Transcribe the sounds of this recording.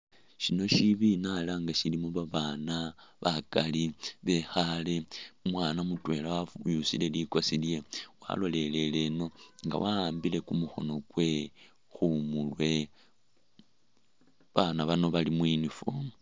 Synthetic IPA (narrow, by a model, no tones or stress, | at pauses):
ʃino̞ʃiβinalaŋɡaʃilimoβaβanaβakaliβe̞xale̞mwaːnamutwe̞lawajusile̞likosilje̞wa̰lo̞le̞le̞le̞no̞ŋɡa̰waaːmbile̞kumuxo̞̰no̞kwe̞ | xumulwe̞ | βanaβano̞βalimwinifu